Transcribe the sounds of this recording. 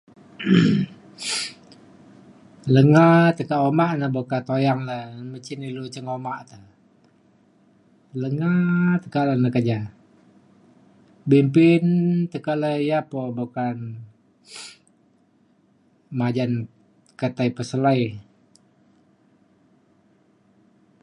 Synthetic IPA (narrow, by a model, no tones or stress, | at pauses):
ləŋat̪əkaʔomaʔnəbakat̪ojaŋlamət͡ʃinilut͡ʃəŋomaʔt̪ə | ləŋat̪ə̥kalənəkəd͡ʒa | bimpɪnt̪əkaʔləjapobakan | mad͡ʒan | kət̪aipəsəlaji